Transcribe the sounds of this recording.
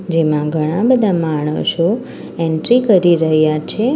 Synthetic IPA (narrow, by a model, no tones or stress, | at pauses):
d͡ʒemãɡʱəɽ̃ãbəd̪ʱamaɳ̃ə̰ʃo | ɛɳʈɾikəɾiɾəɦjat͡ʃʰe